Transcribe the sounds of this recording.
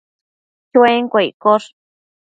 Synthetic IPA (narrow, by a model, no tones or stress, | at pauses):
t͡ʃeŋkʷekoʂ